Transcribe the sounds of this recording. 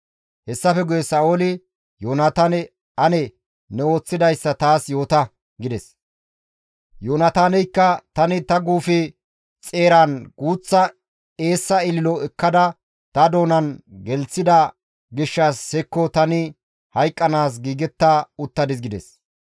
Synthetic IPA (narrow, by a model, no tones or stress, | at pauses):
hɛsːɐfɛɡʊjɛsaːʔolɪ | joːnɐt̪ɐnɛ | ɐnɛ | nɛo̞ːt͡sːɪd̪ɐjsːɐt̪aːsjo̞ːt̪ɐ | ɡɪd̪ɛs | joːnɐt̪aːnɛjkːɐt̪ɐnɪt̪ɐɡuːfɪ | t͡sʼe̞ːɾanɡ̥uːt͡sːɐ | e̞ːsːɐɪlɪlɔɛkːɐd̪ɐ | t̪ɐd̪o̞ːnɐnɡɛlt͡sːɪd̪ɐ | ɡɪʃːɐshɛkːɔt̪ɐnɪ | hɐjkʼːɐnaːs̬ɡiːɡɛt̪ːaʊt̪ːɐd̪ɪs̬ɡɪd̪ɛs